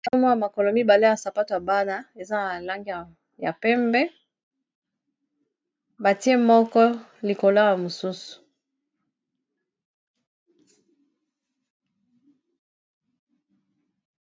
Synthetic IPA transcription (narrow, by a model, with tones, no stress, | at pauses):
a˦mu˦ja˨ma˨kɔ˨lɔ˨mi˦ba˨le˦ja˨sa˨pa˦to˨ja˨ba˦na˦e˨za˦na˨la˦ŋɡi˦a˨ | ja˨pɛ˦mbɛ˦ | ba˨ti˦e˦mɔ˦kɔ˦li˨ko˨la˦ja˨mo˨su˦su̥˨